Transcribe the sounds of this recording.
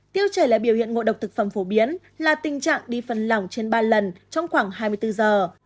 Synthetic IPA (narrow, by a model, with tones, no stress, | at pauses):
t̪i˧əwt͡ɕəː˧˩jla̰ː˨˩ɓi˧˩əwhḭ˧˨ənŋo̰˧˨ɗə˨˩w̚k͡p̚t̪ɨ˨˩k̚fə˧˩mfo˨˦ɓi˨˦ən | laː˨˩t̪ï˨˩ŋ̟t͡ɕa̰ː˧˨ŋɗi˧fə˨˩nla˨˩wŋ͡mt͡ɕe˧nɓaː˧lə˨˩nt͡ɕɔ˧wŋ͡mxwaː˧˩ŋɦaː˧jmɨ˧ət̪ɨ˧zəː˨˩